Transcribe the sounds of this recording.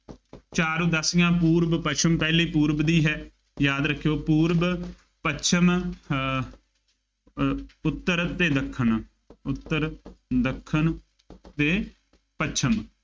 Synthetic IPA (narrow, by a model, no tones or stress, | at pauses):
t͡ʃaːɾũːd̪əsɪjãːpuːɾbpət͡ʃʰəmpɛːliːpuːɾbd̪iːɦɛː | jaːd̪ɾəkʰːejoːpuːɾb | pət͡ʃʰəm | ʊt̪ːəɾt̪eːd̪əkʰːəɳ | ʊt̪ːəɾd̪əkʰːən | t̪eː | pət͡ʃʰəm